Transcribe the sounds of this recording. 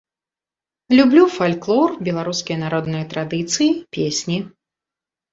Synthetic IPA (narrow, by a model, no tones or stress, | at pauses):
lʲublʲufalʲklˠɔrbʲɛlˠaɾuskʲijɐnaɾɔd̪nɨjɐt̪ɾad̪ɨt̪sɨjipʲesʲnʲi